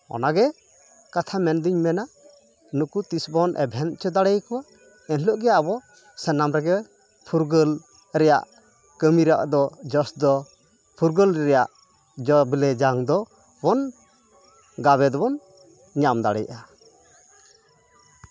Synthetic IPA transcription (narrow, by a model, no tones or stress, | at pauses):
ɔ̰naɡɛ | kat̪ʰamɛnd̪iɲmɛna | nukut̪isbɔnʔɛ̰bʱɛnt͡ʃɔd̪aɽɛjkɔwa | ɛnlɔʔɡɛaabɔ | sɛnamɾɛɡɛ | pʰuɾɡəl | ɾɛja̰ʔ | kəmiɾa̰ʔd̪ɔd͡ʒɔsd̪ɔ | pʰuɾɡəlɾɾɛjaʔ | d͡ʒɔbilɛd͡ʒaŋd̪ɔ | bɔn | ɡaβɛd̪ɔbɔn | ɲamd̪a̰ɽɛ̰jʔa